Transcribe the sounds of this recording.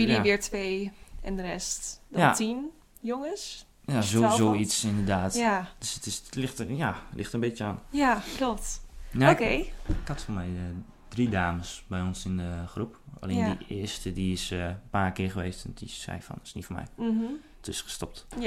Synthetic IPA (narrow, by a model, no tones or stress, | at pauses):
jəliʋɪːɹtʰʋeːɛndərɛstdjatin | joŋəs | jazozoisɪndərdaːtd̥øsətɪslɪxtjalʔɪxtənbɪtjəanjakloptnaokeːɪkhatfɔmɛj | d̥ridaːməsbɛjɔnsɪndəxrupa̰leːndəɪəstədiɪsnpaːrkɪːχəʋeːstɔndḭsɛ̰jfɔ̰nɪsnitfomɛ̰j̩ | tɪsxə̥stɔp̚t